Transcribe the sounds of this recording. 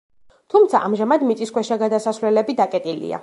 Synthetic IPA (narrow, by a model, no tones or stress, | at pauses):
t̪ʰumt̪sʰaʔamʒamad̪mit̪sʼiskwɛʃaɡad̪asasvlɛlɛbid̪akʼɛt̪ʼilḭa̰